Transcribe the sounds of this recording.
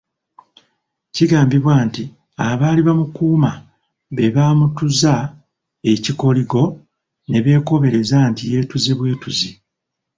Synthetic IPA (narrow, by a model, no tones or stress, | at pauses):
ciɡaːmbiβwaːnti | aβaːliβamukuːma | βe̞βaːmutuza | e̞ciko̞liɡo̞ | ne̞βe̞ːko̞βe̞ɾe̞zantije̞ːtuze̞βwe̞ːtuzi